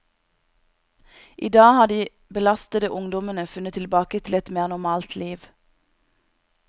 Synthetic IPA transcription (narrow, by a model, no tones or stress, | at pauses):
ʔiːd̪ɑːhɑːd̪iː | bəlɑst̪əd̪əʔʊŋd̪ɔmənəfʉnət̪ʰɪlbɑːkət̪ʰɪlɛt̪meːʁnɔmɑːlt̪ʰliːʋ